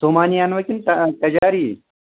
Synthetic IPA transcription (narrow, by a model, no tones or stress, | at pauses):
t̪omaːnijaːnʋɐkʲint̪ɐt̪ɐd͡ʒaːɾiː